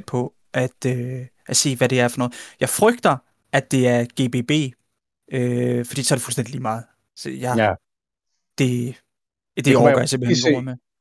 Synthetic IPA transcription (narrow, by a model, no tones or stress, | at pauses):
d̥̚pʰɒ̽ | ʔæd̥øʔæse̝̰ːʋæɾe̝æɐfɒ̽nɔ̽ːð̩ˠjɑ̈ɪfʁœɡ̥d̥ɐ | æd̥e̝æɐɡ̥e̝ːb̥e̝ːb̥e̝̰ː | øfd̥ḭːsɒæɐɾefulsd̥endiliːmɑ̈ːð̩ˠ | sjɑ | d̥e̝ | d̥eɒɡ̥ɒjasemb̥l̩e̥me